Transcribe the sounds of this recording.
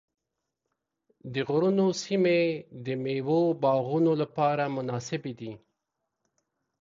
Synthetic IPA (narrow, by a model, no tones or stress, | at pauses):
d̪əɣʊɾunosimed̪əmewobɑɣunolapɑɾamʊnɑsɪbed̪i